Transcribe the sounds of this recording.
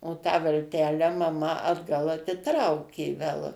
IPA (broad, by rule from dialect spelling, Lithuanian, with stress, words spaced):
oː tɑː ʋɐlʲˈtʲæːlʲæː mɐˈmɐ ɐdˈɡɐlˠ ɐtʲɪˈtrɐʊkʲeː ʋʲɛlˠ